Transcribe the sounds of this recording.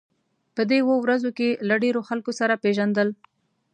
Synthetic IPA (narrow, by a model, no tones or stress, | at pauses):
pəd̪ewəwɾazokelaɖeɾoxalkosaɾapeʒand̪əl